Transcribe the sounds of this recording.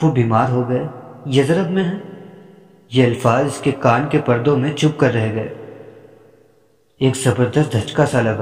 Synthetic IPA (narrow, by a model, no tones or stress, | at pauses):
ʋobiːmaːɾɦoɡɐejɐzɾəbmẽɦɛ | jeɐlfaːzɪskekaːnkepɐɾd̪õmẽt͡ʃʊp̚kɐɾːɐɦeɡɐḛː | eːkzɐbəɾd̪əst̪d̪ʱɐt͡ʃkasalɐɡa